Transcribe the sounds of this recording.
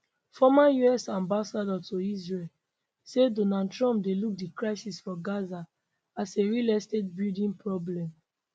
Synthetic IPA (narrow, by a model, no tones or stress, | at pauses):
fɔmajuɛsãmbasadɔtʰoizɹel | sedonadtɹɔ̃mp̚deluk̚dikɹaɪsisfɔɡaza | aseɹilɛstet̚bildĩnpɹɔblɛ̃m